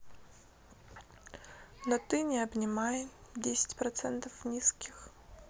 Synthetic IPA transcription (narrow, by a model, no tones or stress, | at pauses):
nɐt̪ɨnʲɪɐbnʲɪmajɪdʲesʲɪ̥tʲpɾɐt̪sɛnt̪ɐfnʲiskʲɪx